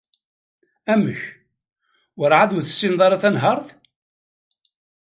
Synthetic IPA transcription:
æməç | wəɾʕaðuθə̥sːinðˤɑɾˤɑθænɦəɾˤθ

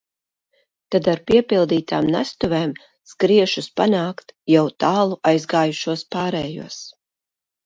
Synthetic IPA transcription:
t̪ad̪aɾpiɛpilˠd̪iːt̪a̰ːmnæ̰st̪uveːm | skɾiɛʃuspanaːkt̪jawt̪aːlˠuʔajzɡaːjuʃuɔspaːɾɛːjṵɔs

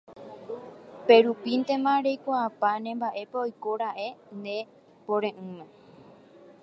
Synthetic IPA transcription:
pe̞ɾupint̪e̞mãɾe̞jkʷaːpanẽ̞mbaʔe̞peojko̞ɾaʔe̞nd̪ẽ̞ | põɾẽʔɨ̃mẽ

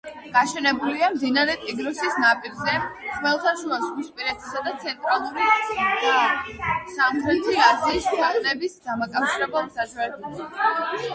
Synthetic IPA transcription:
ɡ̥aʃɛnɛbuliamd̪inaɾɛt̪ʼiɡnɔsisnapʼiɾzɛχmɛlˠt̪ʰaʃuasʁuspʼiɾɛt̪ʰi̥sad̪at̪sʰɛnt̪ʼɾalˠuɾi | samχɾɛt̪ʰiaziːskʰaχnɛbisd̪amakʼafʃiɾɛbɛlˠsaʃaɾɛbɛla

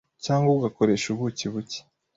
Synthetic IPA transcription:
caːŋɡouɡako̞ɾe̞ʃuβuciβuci̥

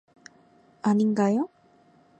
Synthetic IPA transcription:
aniŋɡajo

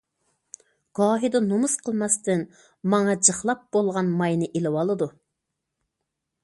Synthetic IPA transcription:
ɡ̥ɑːɦid̪ɑnomusqʰəlˠmɑst̪ɨn | mɑŋɑd͡ʒəχlˠɑp̚b̥olˠʁɑnmɑjnɨʔelɪwɑlˠɨd̪u

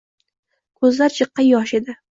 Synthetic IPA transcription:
kʰɵzlaɾt͡ʃʰɨqːɑjɒʃe̞d̪ɪ

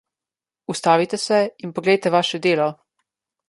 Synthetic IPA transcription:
ust̪aːʋit̪ɛsɛinpɔɡlɛjt̪ɛʋaːʃɛd̪eːlɔ

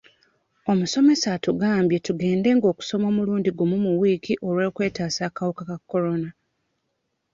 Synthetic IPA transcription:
o̞muso̞me̞satuɡaːmbje̞tuɡe̞ːnde̞ŋɡo̞ːku̥so̞mo̞ːmuluːndiɡomumuwiːkiʔo̞ɾweːkwe̞ːtaːsaːkawukakakːo̞ɾo̞na

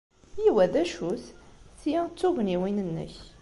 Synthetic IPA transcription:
jiwæðæʃusθijæt͡sːuɣniwinənːə̰ç

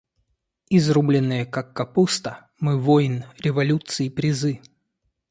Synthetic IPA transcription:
izrublʲɪnːɨjəkakːɐpust̪ə | mɨvojnɾʲɪvɐlʲut̪sɨipɾʲɪzɨ

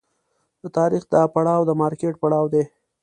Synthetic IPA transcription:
d̪ət̪ɑɾixd̪ɑpaɽɑwd̪əmɑɾkeʈ̚paɽɑwd̪e

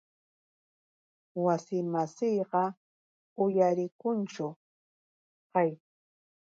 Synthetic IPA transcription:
wasɪmasɪjɢɑ | ʊjaɾɪkʊnt͡ʃʊ | qaj

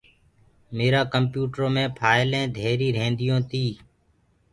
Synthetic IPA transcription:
meːɾaːkəmpjuːʈɾoːmẽːpʰaːɪlẽːd̪ʱeːɾiːɾẽːnd̪ɪjõːt̪iː

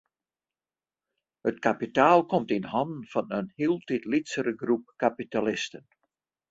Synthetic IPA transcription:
hətkapitaːlˠkɔmtinhɑndn̩fɑnənhiəlˠtitlitsəɾəɡrup̚kapitalɪstən

